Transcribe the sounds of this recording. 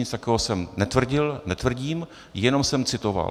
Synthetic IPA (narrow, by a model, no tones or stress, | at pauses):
ɪt͡st̪akɛːɦosɛmnɛt̪vr̩ɟɪlnɛt̪vr̩ɟiːm | jɛno̞msɛmt͡sɪt̪o̞va̰l